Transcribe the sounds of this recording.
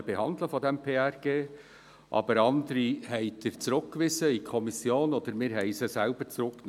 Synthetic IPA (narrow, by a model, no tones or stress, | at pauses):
b̥ehɑnd̪ləfɔd̪ɛmpʰeːærɡ̥eː | ʔɑ̰bəɾɑnd̪əɾihɛɪd̪ɪɾt͡sɾʊkkʋɪzəikʰɔmisjoːnod̪əɾmɪːɾɦɛɪsəsælb̥əɾt͡sɾʊkn